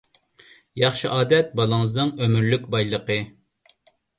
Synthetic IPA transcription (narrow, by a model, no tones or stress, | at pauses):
jɑχʃiʔɑːd̪ɛt̪̚bɑlˠəŋəznɨŋømyɾlykʲbɑjlˠəqə